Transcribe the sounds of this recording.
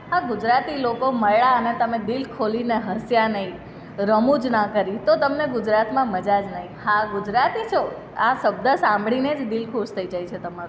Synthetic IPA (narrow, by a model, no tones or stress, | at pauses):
ɦaɡʊd͡ʒɾat̪ilokoməɭaənet̪əmẽd̪ilkʰolineɦəsjanəɦĩ | ɾəmũd͡ʒnakəɾit̪ot̪əmneɡʊd͡ʒɾat̪mãməd͡ʒad͡ʒnəɦĩhaɡʊd͡ʒɾat̪it͡ʃʰo | asəb̚d̪əsãmbɽined͡ʒd̪ilkʰust̪ʰəid͡ʒajt͡ʃʰet̪əmaɾu